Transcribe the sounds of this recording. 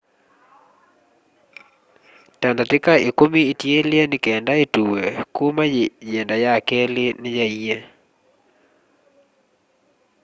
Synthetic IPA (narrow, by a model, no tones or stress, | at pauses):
tandatɪkaikomiːtjeljenɪkɛndaituwekumajendajakelɪnɪjaie